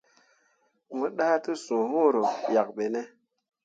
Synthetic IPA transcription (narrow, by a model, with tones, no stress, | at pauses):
mɨ˨ɗa˦tɨ˦sũ˨hõ˦ɾo˨ja˨k̚ɓe˨ne˦